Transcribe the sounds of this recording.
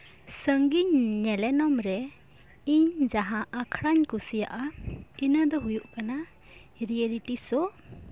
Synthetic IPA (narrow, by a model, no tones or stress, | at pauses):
səŋɡiɲnɛlɛnɔmɾɛ | iɲd͡ʒaɦaʔakʰɾaɲkusijaʔainəd̪ɔɦujuʔkana | ɾijeliʈisɔ